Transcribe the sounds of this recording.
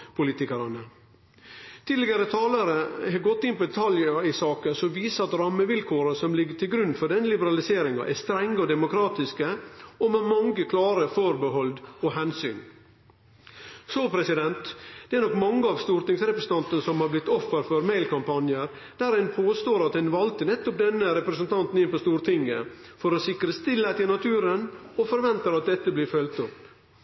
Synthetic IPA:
pʰʊliːt̪ɪkɑɾɑnə | t̪ʰiːd̪lɪɡɑɾət̪ʰɑːlɑɾəhɑɡɔt̪ːɪnpʰɔd̪ɛt̪ʰɑljəɪsɑːkəsɔʋiːsəɑt̪ɾɑmːəʋɪlkʰoːɾəsɔmlɪɡːəʈʰɪlɡɾʉnːfɔɖɛnːəlɪbəɾɑlɪseːɾɪŋɑ̰ʔæst̪ɾɛŋːəɔd̪ɛmʊkʰɾɑːt̪ɪskəɔmɛmɑŋɡəkʰlɑːɾəfoːɾbəɦɔld̪ɔɦɛnsy̰ːn | soːpʰɾɛsɪd̪ɛnt̪d̪̥ɛæɾnɔkːmɑŋːəɑʋst̪uːɾt̪ɪŋsɾɛpɾəsn̩t̪ɑnt̪ənəsɔmhɑɾblɪt̪ːɔfːəɾfɔɾmæɪlkɑmpɑnjəɾ | d̪̥æɾhɛnpʰoːst̪oːɾɑt̪hɛnʋɑlt̪ənɛt̪ːɔp̚d̪ɛnːəɾɛpɾɛsənt̪ʰɑnt̪n̩ɪnpɔst̪uːɾt̪ʰɪŋːə | fɔɾɔsɪkɾəst̪ɪlːæt̪ɪnɑt̪ʰʉːɾənɔfɔɾʋɛnt̪əɾɑt̪̚d̪ɛt̪ːəblɪːɾfœlt̪ʊp

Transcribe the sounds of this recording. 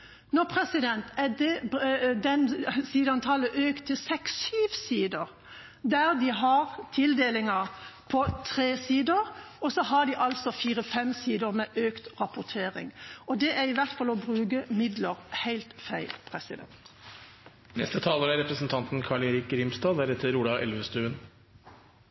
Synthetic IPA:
nɔʁpʰʁɛsɪd̪ɛnt̪æd̪ɛd̪ɛnsiːd̪əɑnt̪ʰɑːləʔøːkt̪ʰɪlsɛksyːʋsiːd̪əʁ | d̪æʁd̪iɦɑʁt̪ʰɪld̪eːlɪŋɑpʰɔt̪ʰʁeːsiːd̪əɾ | ɔsɔɦɑd̪iʔɑlsɔfiːʁəfɛmsiːd̪əɾmɛʔøːkt̪ʁɑpʊt̪ʰeːʁɪ̰ŋɔd̪ɛʔæʁɪʋæʁt̪fɑlːɔbʁʉːɡəmɪd̪ləʁhæɪlt̪fæɪlpʰʁɛsɪd̪ɛ̰nt̪ | nɛ̰st̪ət̪ʰɑːləɾæɾɛpɾəsn̩t̪ʰɑnt̪nkʰɑɭeɾɪkɾɪmst̪ɑːæɾɛt̪ʰːəɾuːlɑʔɛ̰lʋəst̪ʉːən

